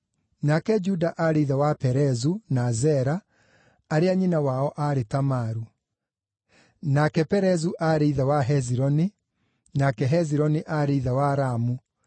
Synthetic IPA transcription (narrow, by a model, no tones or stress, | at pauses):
nakɛd͡ʒudaʔaɾeiðawapɛɾɛzunazɛɾaː | ɾeaɲinawaɔʔaɾetamaɾu | nakɛpɛɾɛzuʔaɾeiðawaɦɛziɾɔne | nakɛɦɛziɾɔneʔaɾeiðawaɾamu